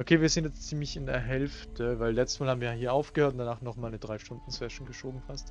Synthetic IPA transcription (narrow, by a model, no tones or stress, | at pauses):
ʔokʰeːviːɐzɪntjɛt͡st͡siːmlɪçɪndeːɐɦɛlftʰəvaɪlɛt͡sstsmalhabm̩viːjahiːɐʔaʊfɡ̥əhøːɐtʊndanaːχnɔχmaːlnədʁaɪʃtʊndn̩sɛʃn̩ɡəʃoːbm̩fast